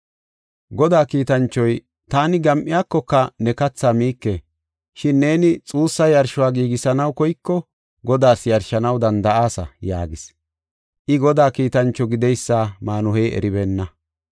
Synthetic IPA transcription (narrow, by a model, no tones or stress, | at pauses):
ɡɔd̪aːkiːt̪ɐnt͡ʃːɔj | t̪aːnɪɡɐmʔɪjaːkːɔkːɐnɛkɐt͡sːaːmiːkːe | ʃɪnːe̞ːnɪt͡sʼuːsːɐjɐɾʃʊwaːɡiːɡɪsɐnɐwkɔjkːɔ | ɡɔd̪aːsjɐɾʃɐnɐwd̪ɐnd̪ɐʔaːsɐ̰ja̰ːɡɪs | ʔɪɡɔd̪aːkiːt̪ɐnt͡ʃːɔɡɪd̪ɛjsːaːmaːnʊhɛjɛ̰ɾɪbɛːnːɐ